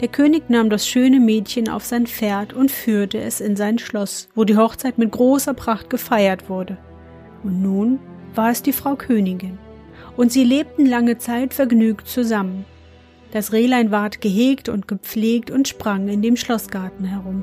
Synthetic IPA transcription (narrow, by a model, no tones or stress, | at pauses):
d̥eːɐkʰøːnɪçnaːmdasʃøːnəmɛːtçəna̰ʊfz̥aɪnfeːɐtʰʊntfyːɐtəɛsɪnzaɪnʃlɔsv̥oːdiːɦɔχt͡saɪtmɪt̚ɡ̥ʁoːsɐpʁ̥aχt̚ɡ̥əfaɪɐtv̥ʊɐdə | ʊntnuːnv̥aːɐɛsd̥iːfʁ̥aʊkʰøːnɪɡɪn | ʔʊntz̥iːleːp̚tn̩laŋət͡saɪtfɛɐɡnyːktt͡suzamən | d̥asʁeːlaɪnvaɐtɡ̥əɦeːktʊ̰ntɡ̥əp͡fleːk̚tʊntʃpʁ̥aŋɪndeːmʃlɔsɡ̥aɐtn̩hɛʁ̞ʊm